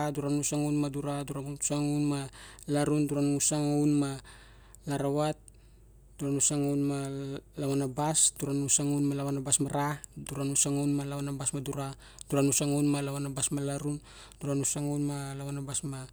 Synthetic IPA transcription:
aduɾanusaŋownmaduɾaduɾasaŋownmalaɾunduɾanŋusaŋownma | laɾawat̚ | d̥uɾanusaŋownmalaβanabasduɾanusaŋownmalaβanabasmaɾaduɾanusaŋownmalaβanabasmaduɾa | duɾanusaŋownmalaβanabasmalaɾun | duɾanusaŋownmalaβanabasma

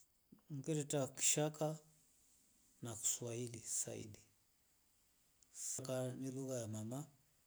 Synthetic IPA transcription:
ŋ̩kɛɾɛtaki̥ʃaka | naku̥swailisa̰ḭli | sakaniluɣajamama

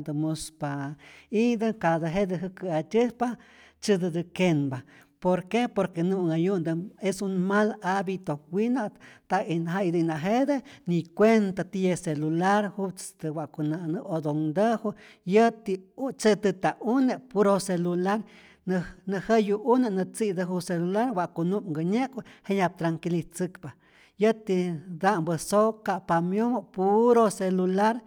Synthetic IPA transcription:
d̪ɨmuspaid̪ɨkad̪aɦed̪eɦɨkɨat̪ʲɨhpa | t͡ʃɨd̪ɨd̪ɨkenba | poɾkepoɾkenuŋajund̪ɨesunmalabit̪owinat̪ainɦaid̪ɨnaɦed̪enikʷent̪at̪ijeselulaɾhut͡st̪ɨwaʔkunanɨod̪oŋd̪ehu | jət̪it͡ʃet̪ɨt̪aunepuɾoselulaɾ | nnəhejuʔunanɨt͡sid̪aɦuselulaɾwaʔkunuʔŋɡəɲekheɲab̚t̪ɾaŋkilit͡sɨkpa | jət̪id̪ambəsokapamjomopuɾoselulaɾ

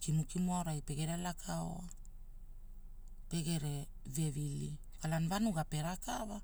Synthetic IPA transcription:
kinukimuaoɾajpe̞ɡe̞ɾelakʰao̰a | pe̞ɡe̞ɾe | ve̞vili | kalanvanuɡape̞ɾakava

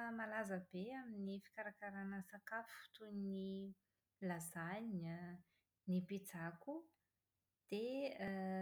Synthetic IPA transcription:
malazəbeaminifi̥kaɾakaɾanəsakafu̥t̪uni | lazan | nipit͡saku | d̪̥e

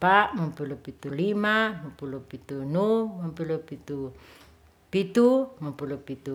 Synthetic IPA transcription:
paʔmampulupit̪ulimamampulupit̪unumampulupit̪u | pit̪umampulupit̪u

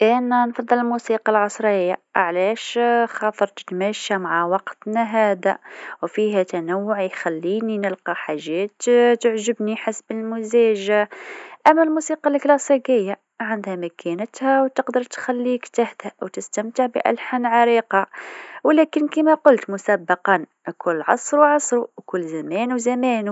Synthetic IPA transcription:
ʔɪnːænfɑd̪ˤːɑləlmusiːqɑlʕɑsˤɾəjːa̰ʕlæʃxɑt̪ˤəɾˤt̪t̪mæʃamaʕawɑqt̪næɦæːd̪æwfiɦæt̪ænawːʊʕjxælːiːninəlqɑħaʒːæːt̪t̪əʕʒəbniħasbəlmʊzæʒaʔæmːælmusiːqɑlklɑsˤiqɪjːa | ʕand̪hæmækʰænət̪hæwt̪əqd̪əɾˤt̪xælːiːkt̪aht̪hæwt̪ɪst̪æmt̪əʕbḭʔæ̰lħanʕɑɾiːqɑwlæːkɪnkimæqʊlt̪mʊsabːɑqɑn | kʊlːʕɑsˤɾuʕɑsˤɾuwkʊlːzæmæːnuzæmæːnu

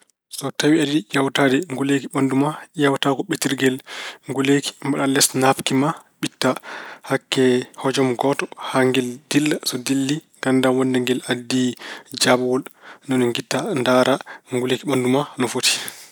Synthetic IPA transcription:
sɔtawiadijawtadɛŋɡulekiɓandumajawtakɔɓitiɾɡɛlŋɡuleki̥mbaɗalɛsnapkimaɓitːahakːɛhɔd͡ʒɔmɡɔtɔ̥haŋɡɛldilːasɔdilːi | ɡandawɔndɛŋɡɛladːid͡ʒabwɔlnɔnɔŋɡitːandaɾʔaŋɡulekiɓandumanɔfoti̥

